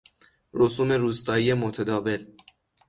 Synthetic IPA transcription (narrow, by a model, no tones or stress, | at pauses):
rɔsumɛɾust̪ɑiɛmɔt̪ʰɛd̪ɑvɛl